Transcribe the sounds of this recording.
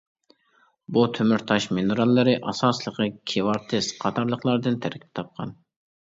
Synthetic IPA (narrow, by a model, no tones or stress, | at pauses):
but̪ʰømyɾt̪ʰɑʃmenuɾɑlˠːɨɾɪʔɑsɑːslˠəqəkʲʰewɑɾt̪ʰɪsqʰɑt̪ʰɑɾlˠəχlˠɑɾd̪ɨnt̪ʰæɾkʲʰi̥p̚t̪ʰɑp̚qʰɑn